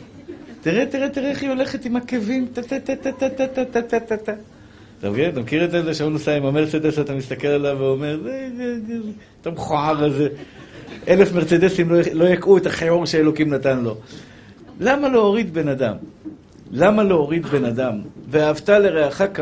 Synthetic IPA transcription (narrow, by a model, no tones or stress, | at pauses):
t̪iʁet̪iʁet̪iʁeχio̞le̞χet̪imakevimt̪at̪at̪at̪at̪at̪at̪at̪at̪at̪at̪a | t̪a̰mɡeat̪amkiʁet̪ezeʃaunosaimameʁt͡sed̪esat̪amist̪ake̞lalaveomeʁze | t̪amχoaʁaze | ʔelefmeʁt͡sed̪esimlolo̞jakʔuet̪aχeoʁʃeelo̞kimnat̪anlo̞ | lamalooʁid̪be̞nad̪am | lamalooʁid̪be̞nad̪amveaːvt̪ale̞ʁeaχak